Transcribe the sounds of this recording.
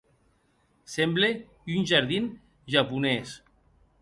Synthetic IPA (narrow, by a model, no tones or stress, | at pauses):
semble | ynʲʒaɾðin | ʒapunɛs